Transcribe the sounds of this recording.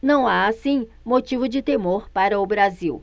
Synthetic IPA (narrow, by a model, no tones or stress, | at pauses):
nɐ̃w̃aːsĩ | mot͡ʃivʊd͡ʒɪt̪emoɾpaɾɐʊbɾaziw